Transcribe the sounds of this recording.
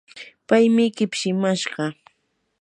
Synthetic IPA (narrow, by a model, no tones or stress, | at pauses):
pajmɪkɪpʃɪmaʃɢɑ